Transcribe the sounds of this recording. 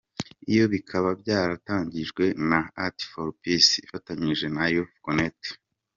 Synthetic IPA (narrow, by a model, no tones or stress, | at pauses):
ijo̞βikʰaβabɟaːɾataːɲɟiʒɡwe̞naati̥foɾpisḭfataɲiʒe̞najokonet